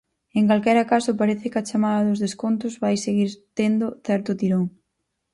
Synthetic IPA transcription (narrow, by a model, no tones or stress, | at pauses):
eŋkalkɛɾakasʊpaɾeθɪkɐt͡ʃamaðɐðʊzðeskont̪ʊzβajseɣiɾt̪end̪ʊθɛɾt̪ʊt̪iɾoŋ